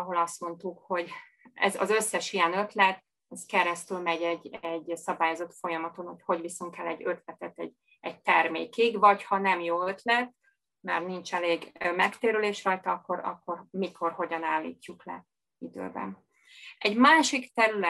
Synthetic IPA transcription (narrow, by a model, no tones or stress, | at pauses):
ɒɦo̞lɒst̪mo̞nt̪ukho̞ɟ | ɛ̰zɒ̰zø̞sːɛʃijɛnø̞t̪lɛt̪ | ɛskɛɾɛst̪ylmɛɟɛɟːɛɟsɒbaːjo̞zo̞t̪fo̞jɒmɒt̪onocho̞ɟvisoŋkɛlːɛɟːø̞t̪lɛt̪ɛt̪ɛ̰ɟ | ɛɟ̚t̪ɛrmḛːkiɡvɒchɒnɛmjoːøt̪lɛt̪ | mɛrnint͡ʃɛleːɡmɛkt̪eːɾyleːʃrɒjt̪ɒɒkːo̞ɾɒ̰kːo̞rmiko̞rho̞ɟɒnaːlːḭːcːuklɛ̰ | id̪ø̰ːbɛ̰n | ɛɟmaːʃikt̪ɛɾylɛ